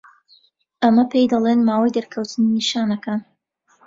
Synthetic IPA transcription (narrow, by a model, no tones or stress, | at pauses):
ʔɐmɐpʰejd̪ɐlˠeːnmaːwajd̪ɐɾkʰɐwt̪ɨniniʃaːnɐkaːn